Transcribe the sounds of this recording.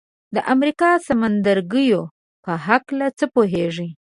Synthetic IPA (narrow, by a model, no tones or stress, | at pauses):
d̪əʔamɾikɑsamand̪aɾɡəjo | pəɦaklat͡səpoɦeʐi